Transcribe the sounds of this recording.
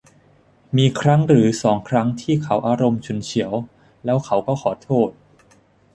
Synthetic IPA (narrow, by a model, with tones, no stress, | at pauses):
miː˧kʰɾa˦˥ŋɾɯː˩˦sɔː˩˦ŋkʰɾa˦˥ŋt̪ʰiː˥˩kʰa˩˦˥wʔaː˧ɾo˧mt͡ɕʰu˧˩nt͡ɕʰi˩˦əw | lɛː˦˥wkʰa˩˥wkɔː˥˩kʰɔː˩˦t̪ʰoː˥˩t̪̚